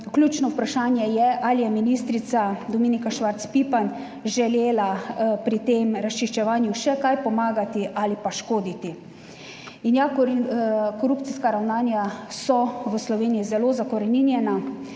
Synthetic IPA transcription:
klʲjuːt͡ʃnɔupɾaʃaːnjɛjɛʔalijɛminist̪ɾit̪sad̪ɔmiːnikaʃʋaɾt̪spipan | ʒɛleːlapɾit̪eːmɾast͡ʃiʃt͡ʃɛʋaːnjuʃɛkajpɔmaːɡat̪iʔalipaʃkoːd̪it̪i | injak | kɔɾuːpt̪siskaɾawnaːnjasɔʋəslɔʋeːnijizɛloːzakɔɾɛninjɛna

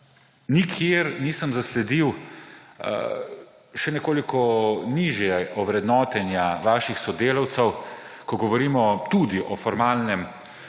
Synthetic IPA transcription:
nikʰeɾniːsəmzaslɛd̪iw̰ | ʃɛnɛkoːlikɔniːʒjɛɔʋɾɛd̪nɔːt̪ɛnjaʋaːʃixsɔd̪eːlɔwt̪sɛwkɔɡɔʋɔɾiːmɔt̪ud̪iʔɔfɔɾmaːlnɛm

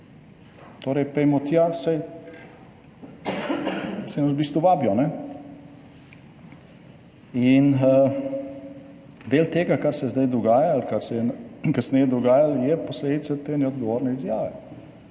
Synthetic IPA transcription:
t̪oːɾɛjpɛjmɔt̪jasaj | sɛnɐsbiːst̪ʋuʋaːbjɔnɛ | inə | d̪eːlt̪eːɡakaɾsɛzd̪ajd̪ɔɡaːjalkaɾsɛɛnkasnɛjɛd̪ɔɡaːjaljɛposleːd̪it̪sat̪eːnɛɔd̪ɡɔʋoːɾnɛizjaːʋɛ

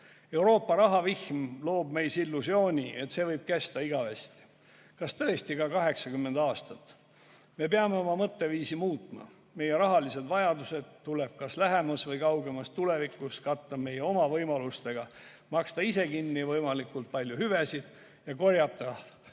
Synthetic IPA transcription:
e̞wɾo̞ːpːɑɾɑɦɑvihmlo̞ːbme̞jsilːusjo̞ːnʲiʔe̞t̪ːse̞vɤjb̥̚kæst̪ɑiɡ̥ɑvest̪i̥ | kɑst̪ɤest̪ikɑkɑɦe̞ksɑɡymːend̪̥ɑːst̪ɑt̪ː | me̞peɑme̞o̞mɑmɤt̪ːe̞viːsimuːt̪ˑmɑ̰ | me̞jeɾɑɦɑlise̞d̪vɑjɑd̪use̞d̪̥t̪ːule̞b̥̚kɑslæɦemɑsvɤjkɑwɡe̞mɑst̪ule̞vikːˑuskɑt̪ːɑbme̞jeo̞mɑvɤjmɑlust̪e̞ɡ̥ɑ | mɑkst̪ɑise̞kinːivɤjmɑlikːult̪̚pɑlʲjuhyvesid̪̥ | jɑko̞rjɑt̪ːˑɑ

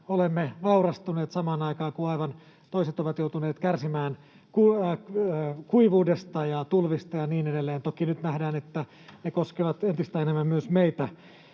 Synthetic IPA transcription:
olemːeʋɑurɑst̪uneːt̪sɑmɑːnɑikɑːkuɑiʋɑn | t̪oiset̪oʋɑt̪jout̪uneːt̪kærsimæːn | ku | kuiʋuːdest̪ɑjɑt̪ulʋist̪ɑjɑniːnedelːeːnt̪okinyt̪næhdæːnet̪ːæ | nekoskeʋɑt̪ent̪ist̪æenemːæmmyøsmeit̪æ

